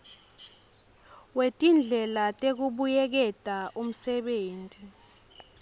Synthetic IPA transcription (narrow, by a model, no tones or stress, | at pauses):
wetʼind͡ɮʱɛlatʼek̬uɓujɛk̬ɛtʼaʔum̩sɛɓeːntʼi